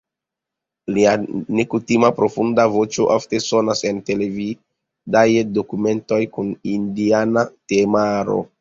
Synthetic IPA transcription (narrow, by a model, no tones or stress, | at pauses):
liane̞kutimapɾo̞fundavo̞t͡ʃo̞ʔafte̞so̞nase̞nte̞le̞vi | dajdo̞kume̞nto̞jkunindianatemaɾo̰